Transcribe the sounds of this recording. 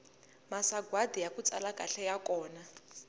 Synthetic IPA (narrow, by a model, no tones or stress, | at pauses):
masaɡwadijakut͡sʼa̰lakʼaɬɛjakɔːna